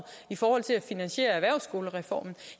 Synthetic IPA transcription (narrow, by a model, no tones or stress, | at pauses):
ifɒːhɒ̽l̰t͡sʰe̝læfinænɕe̝̰ːɐæʋæɐ̰ʊsɡ̥o̝ːləʁɛfɒ̰ːmn̩